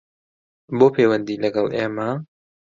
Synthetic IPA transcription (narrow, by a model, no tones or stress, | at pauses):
bopʰewə̃nd̪iləɡawʔɛma